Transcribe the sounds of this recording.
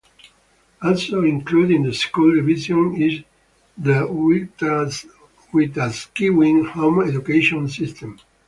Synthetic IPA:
ɔlsoĩŋklud̪ĩŋd̪əskuld̪ivizjɔ̃niz | d̪ə | wit̪askiwĩŋhõmɛdukeʃɔ̃nsist̪ʰɛ̃m

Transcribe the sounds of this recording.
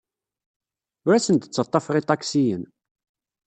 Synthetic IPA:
ʊɾæsənt̪ə̥t͡sːɑt̪ˤːɑfʁit̪ˤɑksijən

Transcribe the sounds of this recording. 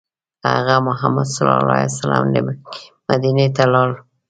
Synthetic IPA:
ha̰ɣamʊɦamad̪salɑlɑesala̰mdemad̪inet̪alɑl

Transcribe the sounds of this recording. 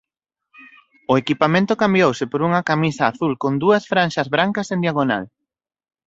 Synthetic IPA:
ʊekipamẽnt̪ʊkambjowsɪpoɾuŋɐkamisɐːθulkond̪uɐsfɾanʃɐzβɾaŋkɐsẽnd̪jaɣona̰l

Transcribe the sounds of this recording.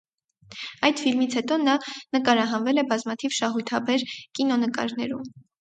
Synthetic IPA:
ɑjd̪filmit͡sʰhɛt̪ɔnɑnəkɑɾɑɦɑnvɛlɛbɑzmɑt̪ʰivʃɑɦujt̪ʰɑbɛɾkinɔnəkɑ̰ɾnɛɾum

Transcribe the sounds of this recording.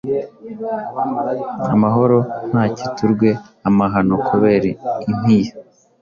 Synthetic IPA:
amaɦo̞ɾo̞n̥haːcituɾɡwe̞ | amaɦano̞kʰuβe̞ːɾiinija

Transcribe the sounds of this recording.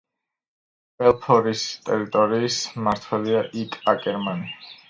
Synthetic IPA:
bɛlˠpʰɔɾist̪ʼɛɾit̪ʼɔɾiːsmaɾt̪ʰwɛliaʔikʼakʼɛɾmani

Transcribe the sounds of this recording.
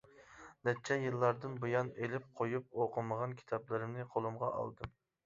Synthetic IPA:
nɛt̪̚t͡ʃʰɛjɨlˠːɑɾd̪ɨnbujɑnelɪp̚qʰojup̚oqʰəməʁɑnkʲʰi̥t̪ʰɑblˠɨɾɨmnɨqʰolˠumʁɑʔɑ̰lˠd̪ɨm

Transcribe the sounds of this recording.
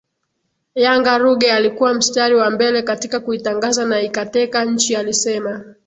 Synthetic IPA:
jaŋɡaɾuɡɛalikuwam̩staɾiwambɛlɛkatikakuitaŋɡazanaikatɛkaɲ̩t͡ʃialisɛma

